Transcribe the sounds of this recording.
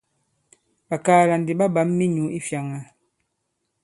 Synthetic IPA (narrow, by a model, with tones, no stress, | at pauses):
ba˨kaː˨la˨n˨di˨ba˦ba˨˦mːi˦ɲu˨˦ʔi˦fja˨ŋa˨